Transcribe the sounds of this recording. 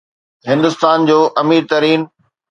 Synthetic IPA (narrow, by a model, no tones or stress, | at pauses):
ɦɪ̃nd̪ʊst̪aːnd͡ʑoːʔɐmiːɾt̪ɐɾiːn